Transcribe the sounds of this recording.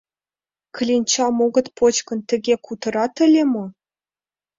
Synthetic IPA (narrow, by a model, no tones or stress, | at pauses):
k̆lʲinʲt͡ɕɑmoɡɤ̆t̪pʰot͡ɕkɤ̆nt̪ʲɘ̆ɡʲekut̪ɤ̆ɾɑt̪ɘ̆lʲemɤ̆